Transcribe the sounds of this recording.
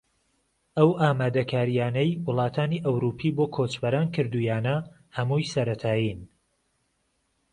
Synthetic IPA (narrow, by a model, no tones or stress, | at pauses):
ʔɐwʔaːmaːd̪ɐkʰaːɾijaːnɐjwʊlˠɑːt̪ʰaːniːʔɐwɾupʰiːboːkʰot͡ʃbɐɾaːnkʰɨɾd̪ujaːnɐ | hɐmuːjsɐɾɐt̪ʰaːjin